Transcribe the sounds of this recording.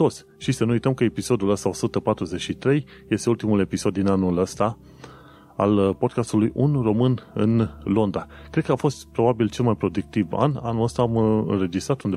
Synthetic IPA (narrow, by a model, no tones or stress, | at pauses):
t̪o̞t̪sʲ | ʃisənuujt̪əmkəepiso̞d̪uləst̪ao̞sut̪əpat̪ɾuze̞t͡ʃit̪ɾe̞j | je̞st̪e̞ult̪imule̞piso̞d̪ːinanuləst̪a | a̰lpo̞d̪̚kast̪ulujunro̞mɨnɨnlo̞nd̪ɾakɾed̪kəafo̞st̪pɾo̞babilt͡ʃe̞lmajpɾo̞d̪uk̚t̪iva̰nanuləst̪aːmɨ̰nɾe̞d͡ʒist̪ɾat̪und̪e